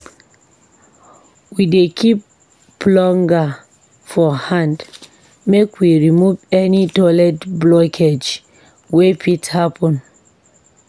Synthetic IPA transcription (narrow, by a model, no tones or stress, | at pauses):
widekʰip | lɔ̃ŋɡa | fɔhãnd | mekwiɹimuvɛnitɔlɛtblɔkʰed͡ʒ | wepithapʰɔ̃n